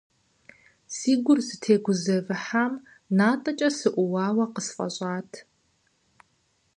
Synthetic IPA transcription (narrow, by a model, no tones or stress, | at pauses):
siːɡʷʊrsɨtʰeːɡʷʊzɐvɨħam | naːtʼɐt͡ʃʼɐsɨʔʷʊwaːwɐqəsfʼɐ̰ɕʼaːtʰ